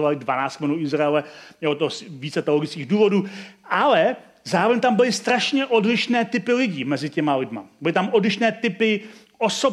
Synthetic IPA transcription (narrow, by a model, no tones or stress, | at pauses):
ovalɪdvanaːt͡st̪mɛnuɪzɾaɛlɛjɛot̪osviːt͡sɛt̪ɛoloɡɪt͡skiːɣduːvo̞duːʔalɛ | zaːɾo̞vɛɲt̪ambɪlɪst̪ɾaʃɲɛʔo̞dlɪʃnɛːt̪ɪpɪlɪɟiːmɛzɪcɛmalɪdma̰bɪlɪt̪amʔo̞dlɪʃnɛːt̪ɪpɪ | ʔoso